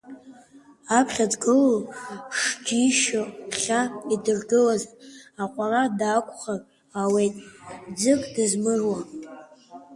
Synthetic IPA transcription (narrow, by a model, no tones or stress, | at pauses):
apʰχʲadɡɨloʂɡʲiʃopʰχʲaidɨrɡɨlazaqʷʼaradaːkʷʰʼχan | awejtʼd͡zɨkʼdɨzmɨrwa